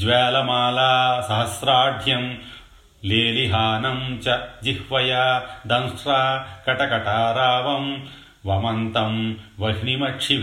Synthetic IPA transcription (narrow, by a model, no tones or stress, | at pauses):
d͡ʒʋɛːlɐmaːlaːsɐɦɐsɾaːɾd̪ʱjɐm | leːliɦaːnɐmt͡ʃɐd͡ʒihʋɐjaːd̪ɐ̃nsɾaːkɐʈɐkɐʈaːɾaːʋɐm | ʋɐmɐnt̪ɐmʋɐɦnimɐʈʂʰi